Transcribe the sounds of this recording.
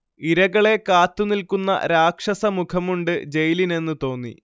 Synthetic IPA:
iɾɐɣɐɭe̞kaːt̪ːunilkunːɐ̰ɾaːkʂɐsɐmukʰɐmuɳɖɨd͡ʑe̞jline̞nːɨt̪o̞ːnːḭ

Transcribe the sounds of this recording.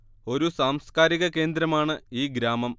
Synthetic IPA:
o̞ɾusaːmskaːɾiɣɐke̞ːnd̪ɾɐmaːɳɨiːɡɾaːmɐm

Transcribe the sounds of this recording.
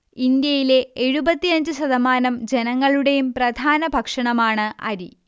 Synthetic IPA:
ind̪jɐjile̞eɻubɐt̪ːiɐɲd͡ʑɨɕɐðɐmaːnɐmd͡ʑe̞nɐŋːɐɭuɽe̞jumprɐd̪ʱaːnɐbʱɐkʂɐɳɐmaːɳɨʔɐ̰ɾi

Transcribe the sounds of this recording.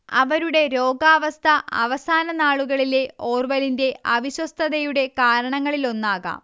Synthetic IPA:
ɐ̰ʋɐɾuɽe̞ɾo̞ːɡaːʋɐst̪ʰɐɐ̰ʋɐsaːnɐnaːɭuɣɐɭileo̞ːrʋɐlinde̞ʔɐʋiɕwɐst̪ʰɐðɐjuɽe̞kaːɾɐɳɐŋːɐɭilo̞nːaːɣa̰ːm

